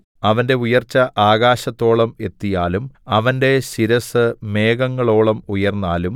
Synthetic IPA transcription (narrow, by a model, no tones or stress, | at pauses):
ɐʋɐnde̞ujɐrt͡ɕːɐʔaːɣaːɕɐt̪ːo̞ːɭɐme̞t̪ːijaːlumɐʋɐnde̞ɕiɾɐsɨme̞ːɡɐŋːɐɭo̞ːɭɐmujɐrnːaːlum